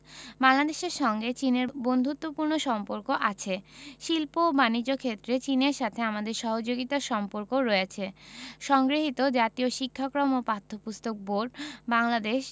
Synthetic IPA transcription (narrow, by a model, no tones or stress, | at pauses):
baŋlad̪eʃeɾʃɔŋɡet͡ɕineɾbond̪ʱut̪ːopuɾnoʃɔmpoɾkoʔat͡ɕʰeʃilpobanid͡ʑokʰet̪ːɾet͡ɕineɾʃat̪ʰeamad̪eɾʃɔɦod͡ʑoɡit̪aʃɔmpoɾkoɾɔeet͡ɕʰeʃɔŋɡɾeɦit̪od͡ʑat̪ioʃikʰːakɾomopat̪ʰːopust̪ok̚boɖbaŋlad̪eʃ